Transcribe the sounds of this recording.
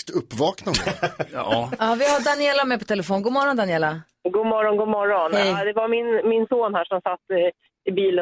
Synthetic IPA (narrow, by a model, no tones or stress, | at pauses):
t̪ɵpːvɑːknaə | ɑːvɪɦaɖanɪɛːlːamɛpʰɔ̥t̪ʰɛlɛfoːnɡuːmɔɾɔnd̪anɪɛːla | ɡuːmɔɾɔnɡuːmɔɾɔnhɛjd̪ɛvamɪnmɪnsoːnhæːʂɔmsat̪ː | ɪbiːlə